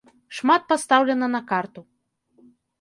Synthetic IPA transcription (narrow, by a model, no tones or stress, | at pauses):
ʂmat̪̚past̪awlʲɛnɐnɐkart̪u